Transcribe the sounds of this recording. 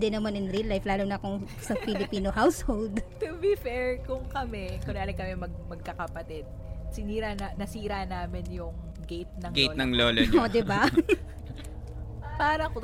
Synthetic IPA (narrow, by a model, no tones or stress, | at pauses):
d̪ɛnɐmanɪnɾilːajflaːlonɐkoŋ | sɐfɪlɪpiːnohawshold̪t̪ʊbifɛɹkʊŋkɐmɛkʊnlaːlɪkɐmɛmɐɡ̚mɐɡ̚kɐkɐpɐt̪ɪd̪̚ | sɪniːɾɐnɐnɐsiːɾanaːmɪnjʊŋ | ɡejt̪̚nɐŋɡej̪nɐŋloːlood̪ɪba | paːɾɐko